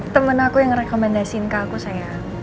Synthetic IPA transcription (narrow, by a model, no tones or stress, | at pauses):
t̪əmənakujaŋrɛkɔmɛndasiɪnkakusaja